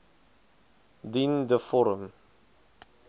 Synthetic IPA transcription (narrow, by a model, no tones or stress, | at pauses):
d̪ind̪əfɔɾəm